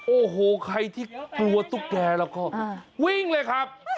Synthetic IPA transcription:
ʔoː˧˩ɦoː˨˩˦kʰa˧jt̪ʰiː˥˩klu˧ɐt̪u˦˥˩k̚dɛː˧lɛː˦˥wkɔː˥˩wi˥˩ŋlɤː˧jkʰa˦˥p̚

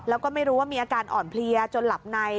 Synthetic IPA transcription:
lɛː˦˥wkɔː˥˩ma˥˩jɾu˦˥waː˥˩miː˧ʔaː˧kaː˧nʔɔ̰ː˨˩npʰli˧ɐt͡ɕo˧nla˨˩p̚na˧j

